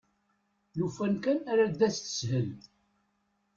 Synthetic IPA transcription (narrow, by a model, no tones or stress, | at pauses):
lufænkænæɾæd̪æt͡sθə̥sɦəl